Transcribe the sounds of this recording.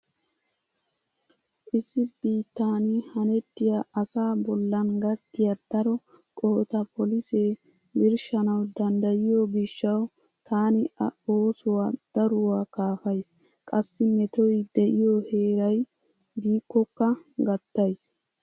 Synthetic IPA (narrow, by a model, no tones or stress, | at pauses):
ʔɪsːɪbiːt̪ːaːnɪhɐnɛt̪ːɪjaʔɐsaːbɔlːɐnɡɐt̪ːɪjɐd̪̥ɐɾɔ | kʼɔhɔt̪ɐpɔlɪseː | ɡɪɾʃɐnɐwd̪ɐnd̪ɐjɪjobɪʃːɐw | t̪ʰaːnɪoːsʊwad̪̥ɐɾʊwakaːfɐjs | kʼɐsːɪmɛt̪ɔjd̪ɛʔɪjɔhe̞ːɾɐj | d̪iːkːɔkːɐɡɐt̪ːɐjs